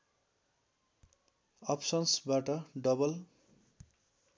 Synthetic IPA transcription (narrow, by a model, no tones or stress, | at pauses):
ʌpʰsʌnsbaʈʌɖʌbʌl